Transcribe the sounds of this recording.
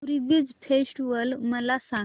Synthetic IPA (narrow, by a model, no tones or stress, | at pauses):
ɾibid͡zfʰesʈʋəlməlasa